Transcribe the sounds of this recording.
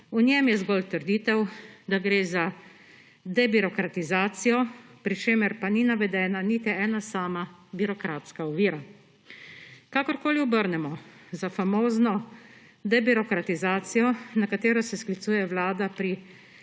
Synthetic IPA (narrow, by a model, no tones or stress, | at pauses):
unʲjɛmjɛzɡɔlt̪əɾd̪iːt̪ɛwd̪aɡɾeːza | d̪ɛbiɾɔkɾat̪izaːt̪sijɔpɾit͡ʃeːmɛɾpaninaʋɛd̪ɛːnanit̪iɛːnasaːmabiɾɔkɾaːt̪skaɔʋiːɾa | kaːkɔɾkoːliɔbəɾnɛmɔzafamoːznɔ | d̪ɛbiɾɔkɾat̪izaːt̪sijɔnakat̪eːɾɔsɛsklit̪suːjɛʋlaːd̪apɾi